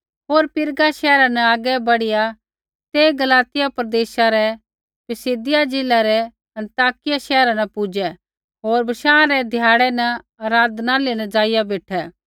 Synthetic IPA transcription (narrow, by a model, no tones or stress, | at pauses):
ɦoːɾpɪɾɡaʃɛːɾanɐaːɡɛbɐɽɪja | t̪eːɡɐlaːt̪ɪjapɾɐd̪eːʃaɾɛ | pɪsɪd̪ɪjad͡ʒɪlaɾɛ | ɐ̃nt̪aːkɪjaʃɛːɾãnɛpʊd͡ʒɛ | ɦoːɾbɐʃãːãɾɛd̪ʱjaːɽɛnɐ | ɐːɾaːd̪nalenɐd͡ʒaːɪjabeːʈʰɛ